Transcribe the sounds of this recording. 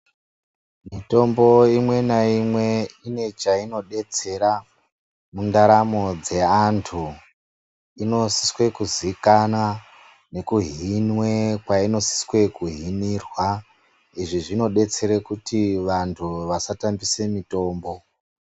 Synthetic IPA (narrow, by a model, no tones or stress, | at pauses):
mito̞mbo̞imwe̞naimwe̞ine̞t͡ʃaino̞ɗe̞t͡se̞ɾa | mundaɾamo̞d͡ze̞antʰu | ino̞si̥swe̞kuzikana | ne̞kuɦinwe̞kwaino̞si̥swe̞kuɦinirwa | iʐiʐino̞ɗe̞t͡se̞ɾekutiʋantʰuʋasatambise̞mito̞ːmbo̞